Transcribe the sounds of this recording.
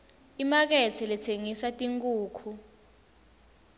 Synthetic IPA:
imak̬ɛt͡sʰɛlɛtʰeŋisatʼiŋkʼuːkʰu

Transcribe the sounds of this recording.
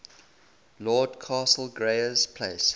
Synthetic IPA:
lɔːdkʰɑːsəl̩ˠɡɹeɪəz̥pʰleɪs

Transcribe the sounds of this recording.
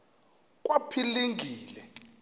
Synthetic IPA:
k̬ʼwapʰiliŋɡʱiːlɛ

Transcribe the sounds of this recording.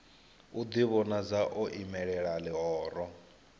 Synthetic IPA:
ud̪iβɔnad͡zaʔɔʔimɛɺɛɺalɛɦɔːɾɔ

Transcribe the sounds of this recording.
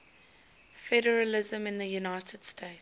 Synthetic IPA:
fɛɾəɹəlɪzə̃mɪ̃nðəjunaɪtʰəd̥stʰeɪt

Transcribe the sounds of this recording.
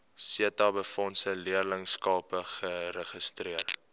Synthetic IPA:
siətɑbəfɔnsəliərləŋskɑːpəχəɾəχəstriər

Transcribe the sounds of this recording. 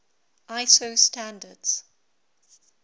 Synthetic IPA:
ʔaɪsostʰãndədz̥

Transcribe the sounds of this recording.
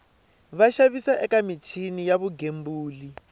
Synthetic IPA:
βaʃaβisaʔɛkamitʰinijaβuɡembuːli

